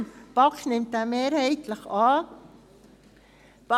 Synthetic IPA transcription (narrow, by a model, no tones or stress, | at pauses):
b̥ɑknɪmt̪æːmeːɾhɛɪt̪ʰləχɑː | p